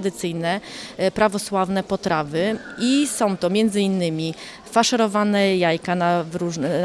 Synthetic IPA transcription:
d̪ɘt̪sɘjnɛpɾavɔswavnɛpɔt̪ɾavɘisɔ̃w̃t̪ɔmʲjɛnd̪zɘinːɘmʲi | faʂɛɾɔvanɛjajkanavɾuʐn

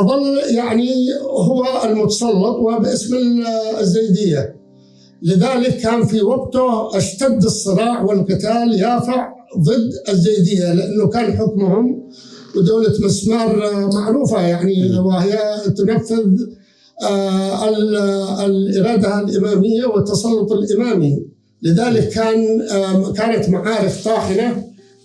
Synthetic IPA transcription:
ʔɑðˤɑlːjaʕniɦʊwːaɪlmʊt̪ɑ̥sˤɑlːɑt̪ˤwɪbʔɪsmazːajd̪ɪjːa | lɪðaːlɪkːaːnfiwaɡt̪ʊʔaʃt̪ad̪ːɨsˤːɨɾˤɑːʕwɪlqɨt̪aːljaːfaʕðˤɨd̪ːɪzːajd̪ɪjːalɪʔanːʊkaːnħʊkmhʊm | wɪd̪uːlamasnɑːɾˤmaʕɾuːfajaʕniwɪhɪjːat̪ʊnafːʊð | lʔɪɾɑːd̪alʔɪmaːmɪjːawɪt̪ːɑsˤɑlːʊt̪ˤɪlʔɪmaːmi | lɪðaːlɪkːaːnkaːnat̪maʕaːɾɪft̪ˤɑːħɪna

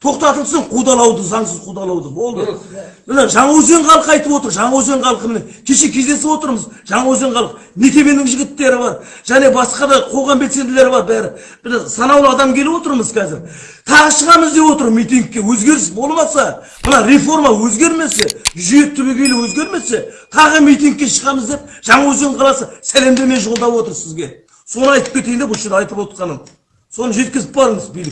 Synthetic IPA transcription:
t̪ʰo̞qt̪ɑt̪əlsəɴqʰud̪ɑlˠɑwd̪əzɑɴsəzqʰud̪ɑlˠɑwd̪əbo̞lˠd̪ə | məneʒɑɴɑwɵze̞ɴqʰɑlˠəqɑjt̪əpwo̞t̪əɾʒɑɴɑwɵze̞ɴqʰɑlˠəqəmeneŋkʲʰe̞ʃe̞kʲʰe̞zd̪e̞sɪpwo̞t̪əɾməzʒɑɴɑwɵze̞ɴqʰɑlˠəq | nekʲe̞be̞nɪŋʒɪɡʲɪt̪ːe̞ɾɪbɑɾʒ̥æne̞bɑsqɑd̪ɑqʰo̞ʁɑmbelse̞nd̪ɪle̞ɾɪbɑɾbæɾɪ | b̥ɪzsɑnɑwlˠəɑd̪ɑmkʲʰe̞lɪwo̞t̪əɾməzkʲʰæzɪɾ | t̪ʰɑʁəʃəʁɑməzd̪e̞pwo̞t̪əɾmijt̪ijŋk̚ʲːe̞wɵzɡʲe̞ɾɪsbo̞lˠmɑsɑ | mənɑɾefo̞rmɑwɵzɡʲe̞ɾme̞se̞ʒʏjet̪ʰːʏbekʲejlewɵzɡʲe̞ɾme̞se̞t̪ʰɑʁəmijt̪ijŋk̚ʲːe̞ʃəʁɑməzd̪e̞p̚ʒ̥ɑɴɑwɵzɡ̪eɴqʰɑlˠɑsəsæle̞md̪eme̞nʒo̞lˠd̪ɑpwo̞t̪əɾsɪzɡʲe̞ | so̞nəɑjt̪ə̥p̚kʰʲe̞t̪ejɪnd̪elˠʃed̪eɑjt̪əpwot̪̚qɑnən | so̞nəʒe̞t̪kʲɪzɪp̚bɑɾəɴəzbijlɪk

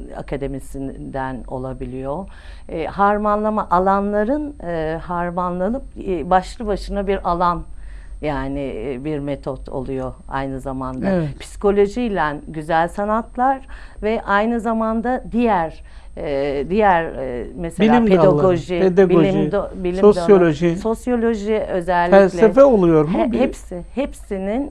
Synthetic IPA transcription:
a̰kʰad̪e̞misind̪æno̞̰lˠabilʲijo | ɦaɾmanlˠamaʔalˠanlˠaɾɯnɯhaɾmanlˠanɯp̚baʃlˠɯbaʃɯnabiɾʔalˠan | jaːnɪbiɾmet̪ʰot̪ʰo̞̰lˠujoa̰jnɯzamand̪apʰi̥si̥ko̞lʲo̞ʒilʲænɟyzælʲsanat̪lˠaɾ | vɛʔajnɯzamand̪ad̪ijæɾ | d̪ijæɾmeseilʲːiːmp̪eaɡoʒied̪aɡbiolʲimbilʲimsjolʲoʒiso̞sjo̞lʲo̞ʒiø̞zɛlʲːfælslʲɛefɛolˠujoɾmhɛpsɪhepsinin

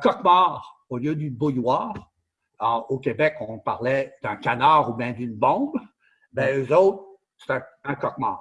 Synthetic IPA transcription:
kɔkmaʁoljød̪ynbojwaːʁ | ɔokʲebɛkɔ̃paʁlɛd̪ɛ̃kanaʁubjɛ̃d̪ynbɑ̃b | mɛøzot̪ | se̥t̪ɛ̃ɛ̃kɔk̚ma̰ːʁ

